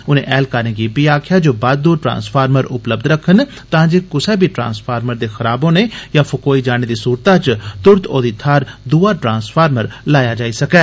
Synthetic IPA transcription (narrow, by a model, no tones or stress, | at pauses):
ʊnḛ̃ʔɛːlkaɾnẽɡibiaːkʰjad͡ʒoːbaːd̪d̪uːʈɾã̰ːnspʰaːɾməɾʊ̰pləb̚d̪ɾəkʰːən | t̪ãːd͡ʒeːkʊsɛbʱiːʈɾã̰ːnspʰaːɾməɾd̪eːxɐɾaːbõːnejapʰʊkoːid͡ʒaːñed̪iːsuːɾt̪ãt͡ʃt̪ʊɾt̪oːd̪it̪ʰaːɾd̪uːaʈɾãːnspʰaːɾməɾlaːjad͡ʒaːisɐkɛː